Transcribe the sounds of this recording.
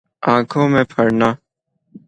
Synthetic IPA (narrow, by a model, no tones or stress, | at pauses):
ãːkʰõːmẽːpʰəɽnaː